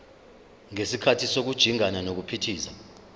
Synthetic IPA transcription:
ŋesikʰatʰisok̬ud̥ʒ̥ʱiŋananok̬upʰitʰiːsa

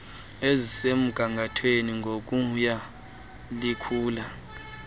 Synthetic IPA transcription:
ezisem̩ɡ̥ʱaŋɡʱatʰweniŋɡʱok̬ʼuja | likʰuːla

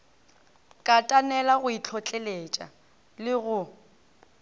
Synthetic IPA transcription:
kʼatʼanɛlaɣʊit͡ɬʰɔt͡ɬʼelet͡ʃʼa̰ | lɪɣʊ

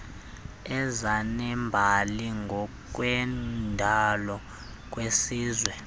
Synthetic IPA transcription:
ɛzanɛmbʱaliŋɡʱɔk̬ʼwɛndʱalɔ | k̬ʼwesiːzwɛ

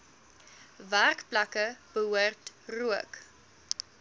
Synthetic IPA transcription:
værkplɐkəb̥əɦuərtruək

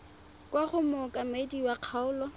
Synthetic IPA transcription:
kʼwaχʊmɔkʼamediwaq͡χʰaʊːlɔ

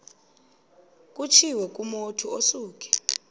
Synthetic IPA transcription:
k̬ʼut͡ʃʰiwɛk̬ʼumotʰuosuːk̬ʼi̥

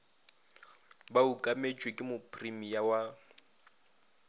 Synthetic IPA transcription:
baukʼamet͡ʃʼwekʼɪmʊpʰrimijawa

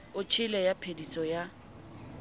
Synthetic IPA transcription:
ʊt͡ʃʰɪlɛjapʰedisʼɔja

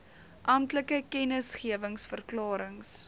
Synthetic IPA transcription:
ʔɐmtləkəkɛnəsχiəvəŋsfərklɑːɾəŋs

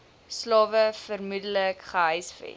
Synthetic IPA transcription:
slɑːvəfərmudələkχəɦəjsfɛ̰t

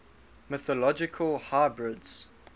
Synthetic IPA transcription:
mɪθəlɔd͡ʒɪkʰəlˠhaɪbɹɪdz̥

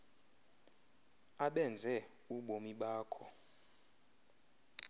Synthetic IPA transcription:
aɓɛnd͡zʱɛ | uɓomiɓaːkʰɔ

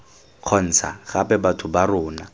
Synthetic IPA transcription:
q͡χʰɔn̩t͡sʰa̰ɣapɛbatʰʊbarʊːna

